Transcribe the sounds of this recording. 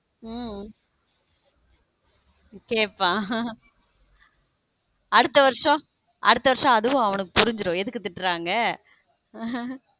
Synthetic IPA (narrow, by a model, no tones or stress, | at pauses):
keːpːãː | ɐɽɯt̪ːɐʋɐɾʂɔ̃ | ʔɐɽɯt̪ːɐʋɐɾʂɐ̃ɐðɯʋʊ̃ɐʋɐnɯkːɯpʊɾɪɲd͡ʒɪɾõːɛðɯkːɯt̪ːɪʈːɾaːŋɡɐ